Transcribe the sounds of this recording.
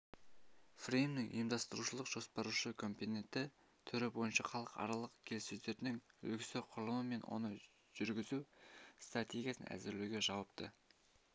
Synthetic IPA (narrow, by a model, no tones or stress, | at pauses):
frejmnɪŋ̰jəmd̪ɑst̪əɾuʃəlˠəqʒ̥o̞spɑɾuʃəkʰo̞mpone̞nt̪ɪ | t̪ʰʏɾɪbo̞jənʃɑqɑlˠəqɑ̰ɾɑlˠəqkʲʰe̞lɪsɵzd̪eɾɪnɪŋɵ̰lɡʲɪ̥sɪqʰʊɾlˠəməme̞nwo̰nə | ʒ̥ʏɾɡʲɪzust̪rat̪ʲe̞ɡʲijasə̰næ̰zɪɾlewɡʲe̞ʒɑwəp̚t̪ə